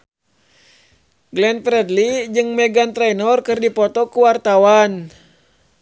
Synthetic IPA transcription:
ɡlɛnfɾɛdlid͡ʒɨŋmɛɡant̪ɾɛjnɔrkɨrdipɔt̪ɔkuwart̪awan

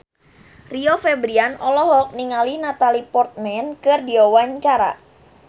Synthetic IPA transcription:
riofɛbɾianɔlɔɦɔk̚niŋalinat̪alipɔrt̪̚mɛnkɨrdiawaɲt͡ʃaɾa̰

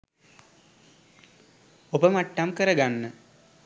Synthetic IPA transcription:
obɐmɐʈːamkɐɾɐɡanːɨ

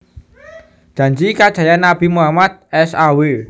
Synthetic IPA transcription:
dʒ̥ä̤ɲd͡ʒikad̥ʒ̥ä̤janːab̥i̤muamad̪̚ɛsawe

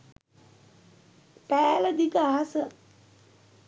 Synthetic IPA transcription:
pæːləd̪ikəaɦasə

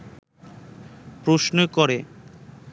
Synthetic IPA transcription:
pɾosnoekɔɾe

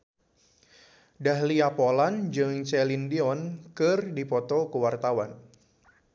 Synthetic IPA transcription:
dahliapoland͡ʒɨŋt͡ʃɛlindiɔnkɨrdipɔt̪ɔkəwart̪awan

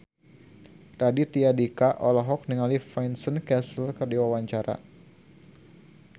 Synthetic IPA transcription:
radit̪iadikaʔɔlɔɦɔk̚niŋalifajnsənkɛsəlkərdiwawaɲt͡ʃaɾʔa̰

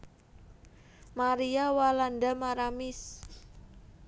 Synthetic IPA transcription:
maɾiawalandamaɾamɪs

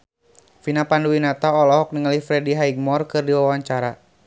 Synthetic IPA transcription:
finapanduwinat̪aɔlɔɦɔk̚niŋəlihfɾɛdiɦaiɡ̚mɔrkɨrdiwawaɲt͡ʃaɾa

